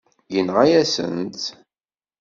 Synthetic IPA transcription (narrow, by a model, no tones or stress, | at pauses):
jənʁajæsə̰nt̪